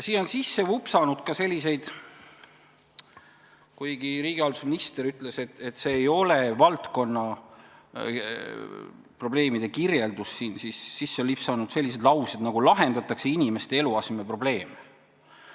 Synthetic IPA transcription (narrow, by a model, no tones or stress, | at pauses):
jsiːno̞nsisːe̞vupsɑnud̪̥kɑse̞lʲːise̞jd̪̥ | kujɡ̥iɾiːɡ̥iɑld̪usminist̪eɾyt̪le̞se̞t̪et̪ːse̞ːjo̞levɑlt̪ko̞nːɑ | pro̞ble̞ːmid̪̥e̞kirje̞ld̪̥usːiːnsisːisːelipsɑnud̪se̞lːis̬e̞d̪lɑwsed̪nɑɡ̥ulɑɦe̞nd̪ɑt̪ːˑɑkse̞inime̞st̪e̞e̞luɑsmepro̞ble̞ːme